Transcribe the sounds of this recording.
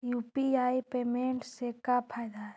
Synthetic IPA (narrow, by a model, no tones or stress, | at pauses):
juːpiaːipeːmẽɳʈsekapʰaːjd̪aɛ